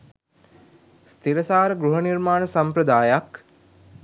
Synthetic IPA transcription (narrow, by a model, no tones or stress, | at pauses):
st̪ʰiɾəsaːɾəɡɾuɦənirmaːnəsampɾəd̪aːjak